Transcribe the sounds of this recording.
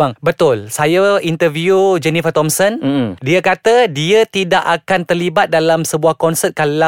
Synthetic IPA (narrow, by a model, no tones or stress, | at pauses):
baŋbət̪ʊlsajaint̪ərviud͡ʒənifat̪ɔmsəndiakat̪adiət̪idaʔakant̪ərlibat̪̚dalamsəbuahkɔnsət̪̚kala